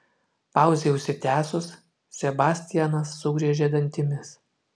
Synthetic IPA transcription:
pɑˑʊzʲeːʊʃʲsʲɪt̪ʲæːsʊs | sʲɛbɑːsʲt̪ʲɪjɛnɐsːʊɡɾʲiɛʒʲeːd̪ɐnʲt̪ʲɪmʲɪs

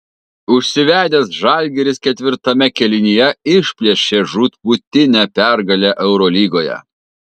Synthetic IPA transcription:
ʊʃʲsʲɪʋʲæːd̪ʲeːsʒɑˑlʲɡʲɛɾʲɪskʲɛt̪ʲʋʲɪɾt̪ɐmʲɛkʲɛlʲɪnʲijɛɪʃʲpʲlʲiɛʃʲeːʒut̪but̪ʲɪnʲɛpʲæɾɡɐlʲɛʔɛʊɾoːlʲiːɡoːjɛ̰

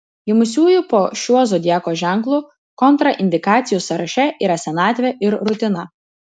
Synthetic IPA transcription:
jɪmʊsʲuːjʊpoːʃʲuɔzoːd̪ʲæːkoːʒʲæˑŋklˠuː | kɔnˑt̪ɾɐʔɪnʲd̪ʲɪkɑːt̪sʲɪjuːsɐɾɐʃʲɛʔiːɾɐsʲɛnɑːt̪ʲʋʲɛʔɪɾɾʊt̪ʲɪnɐ

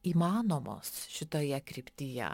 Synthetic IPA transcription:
iːmɑːnoːmo̰ːsʃʲɪt̪oːjɛkɾʲɪpʲt̪ʲijɛ̰

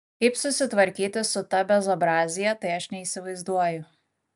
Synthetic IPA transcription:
kɐɪpsʊsʲɪt̪ʋɐɾʲkʲiːt̪ʲɪsʊt̪ɐbʲɛzoːbɾɑːzʲɪjɛt̪ɐɪɐʃnʲɛiːsʲɪʋɐɪzd̪uɔjʊ

